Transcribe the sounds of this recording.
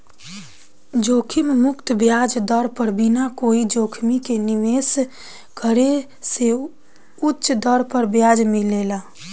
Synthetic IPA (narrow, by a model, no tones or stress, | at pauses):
d͡ʒokʰimmʊkt̪bjad͡ʒd̪əɾpəɾbinakoid͡ʒoːkʰmikeniʋes | kʰəɾe | se | utːʃd̪əɾpəɾbjad͡ʒmilela